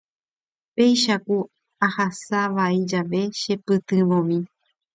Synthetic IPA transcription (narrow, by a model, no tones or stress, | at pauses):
pe̞jʃaku | ahasaʋaid͡ʒaʋe̞ʃe̞pɨt̪ɨ̃ʋõmĩ